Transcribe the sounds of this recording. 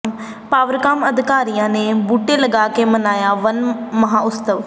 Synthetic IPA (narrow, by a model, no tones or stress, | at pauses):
m | paːʋəɾkaːməd̪ʱɪkaːɾijãːneːbuːʈeːləɡaːkeːmənaːjaːʋənməɦãːʊst̪əʋ